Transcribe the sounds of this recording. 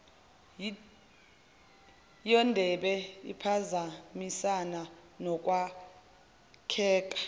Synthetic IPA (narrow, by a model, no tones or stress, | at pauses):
jɔndʱɛɓɛḭpʰazamisananɔk̬ʼwa | kʰɛːk̬ʼḁ